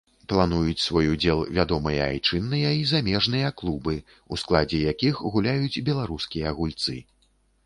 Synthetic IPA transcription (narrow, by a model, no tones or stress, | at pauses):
plˠanujut͡sʲsvɔjud͡zʲɛlˠvʲad̪ɔmɨjɐa̰jt͡ʂɨnːɨjɐizamʲɛʐnɨjɐklˠubɨ | usklˠad͡zʲɛjakʲixɣulʲajut͡sʲbʲɛlˠaɾuskʲijɐːɣulʲt̪sɨ̰